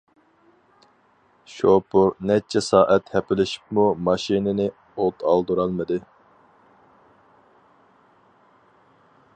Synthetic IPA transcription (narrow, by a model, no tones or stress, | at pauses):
ʃopʰuɾnɛt͡ʃʰɛsɑːʔɛt̪hɛpɪlɪʃi̥pmumɑʃinɪnɪ | ot̪ʰɑlˠd̪uɾɑlˠmɨd̪ɨ